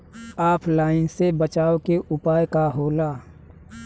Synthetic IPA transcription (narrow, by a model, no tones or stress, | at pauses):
aːpʰlaːɪnsebət͡ʃaːokeʔʊpaːjkaɦoːlaː